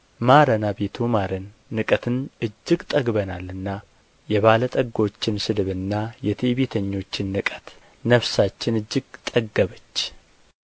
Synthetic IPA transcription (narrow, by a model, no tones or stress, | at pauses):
maɾənabe̞t̪ʰumaɾənː | ɨkʼət̪ʰɨnɨd͡ʒːɪɡt̪ʼəɡbənalɨnːa | jɛβalət̪ʼəɡːo̞t͡ʃːɪnsɨd̪ɨβɨnːajɛt̪ʰeβet̪ʰəɲːo̞t͡ʃːɪnːɨkʼə̥t̪ | nəfsat͡ʃːɪnɨd͡ʒːɪɡt̪ʼəɡːəβət͡ʃː